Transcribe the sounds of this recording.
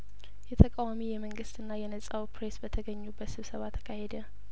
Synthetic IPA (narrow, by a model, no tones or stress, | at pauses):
jɛt̪ʰəkʼawamijɛməŋɡɨst̪ɨnːajɛnəsʼawpʰɾesbət̪ʰəɡəɲːubəsɨβsəβat̪ʰə̥kʰahed̪ə